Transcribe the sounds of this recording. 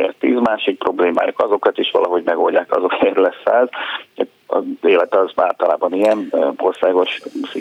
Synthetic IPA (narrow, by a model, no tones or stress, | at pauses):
ḛrt̪ːiːzmaːʃik̚pro̞bleːma̰ːjokɒzo̞kɒt̪eːʃʋɒ̰lɒɦo̞ɟmɛɡo̞lɟaːkɒ̰zo̞keːt̪lɛsːaːzat | ɒ̰zeːlɛt̪ɛɒza̰ːlt̪ɒlaːbɒnijɛno̞rsaːɡo̞ʃsi